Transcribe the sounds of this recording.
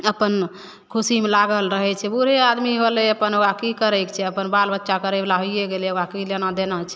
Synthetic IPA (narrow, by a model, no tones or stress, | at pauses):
əpən | kʰusimelaɡəlɾəɦɛt͡ʃʰɛbuɾead̪miɦoleəpənoɡakikəɾɛkt͡ʃʰɛəpənbalbətːʃakəɾɛblaɦojjeɡelɛoɡakilenad̪enət͡ʃʰɛ